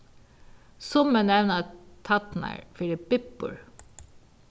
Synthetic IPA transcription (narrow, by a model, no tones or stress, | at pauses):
sʊmənɛʋnɑt̪ʰɑt̪næ̰ɹfɪlɪp̚bɪpːʊ̰ɹ